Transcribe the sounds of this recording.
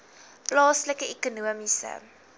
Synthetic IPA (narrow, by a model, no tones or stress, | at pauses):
plɑːsləkəɛkunuəmisə̰